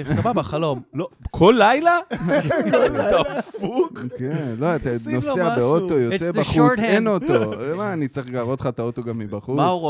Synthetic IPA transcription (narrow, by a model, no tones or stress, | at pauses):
sababaχalo̞mlokʰolːajla | t̪afukkenloat̪anoseabeot̪ojot͡sedbaχutenot̪omaːnit͡sʁiχɡaːʁot̪χat̪aoto̞ɡamːibaχumao